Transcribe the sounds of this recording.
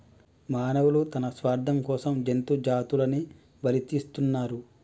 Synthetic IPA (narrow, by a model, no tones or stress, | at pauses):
maːnɐʋulut̪ɐnɐsʋaːɾd̪ʱɐmkɔːsɐmd͡ʒent̪ud͡ʒaːt̪ulɐni | bɐlit̪iːst̪unːaːɾu